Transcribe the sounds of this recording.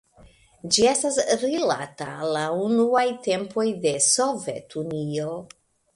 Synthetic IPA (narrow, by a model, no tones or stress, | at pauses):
d͡ʒie̞stasɾila̰ta̰launuajte̞mpʰo̞jde̞so̞ve̞̰tunio̞